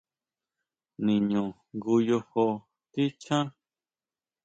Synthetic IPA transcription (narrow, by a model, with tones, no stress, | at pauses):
nĩ˨ɲũ˨ | ŋɡu˧jo˧ho˧ | t̪i˦t͡ʃã˦